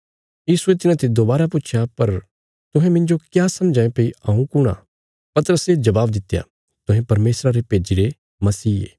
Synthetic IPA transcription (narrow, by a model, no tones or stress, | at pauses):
jiːsuet̪ɪnãt̪ʰed̪oːbaːɾapʊːt͡ʃʰjapɐɾ | t̪ʊɦɛ̃mɪ̃nd͡ʒokjaːsɐ̃md͡ʒãːẽpeːiãːũkʊɽ̃a̰ | pɐt̪əɾəsed͡ʒɐbaːbd̪ɪt̪ːja̰ | t̪ʊɦɛ̃pɐɾmeːsɾaɾepeːd͡ʒiɾe | mɐsiːḛː